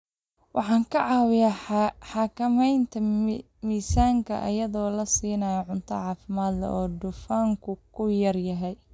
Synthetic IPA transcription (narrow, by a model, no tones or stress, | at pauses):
wʔɑħɑːŋkʰɐʕɑːwɪjɐħɑːkʰɐmɛjnt̪ʰɐ | miːsaːŋkʰɐ̰ʔɐ̰jɐðɔːlɐsiːnɐjɐʕʊnt̪ʰɐ̰ʕɑːfɪmaːd̪lɛ̰ʔɔːd̪ʊfaːŋkʰʊkʰʊjɐrjɐɦɛj